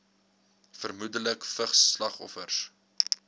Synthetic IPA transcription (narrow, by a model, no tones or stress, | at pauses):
fərmudələkfəχslɐχɔ̰fərs